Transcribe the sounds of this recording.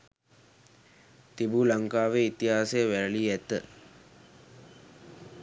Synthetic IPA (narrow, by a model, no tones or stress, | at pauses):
t̪ibuːlaŋkaːʋeit̪iɦaːsejəʋæɾəliæt̪ə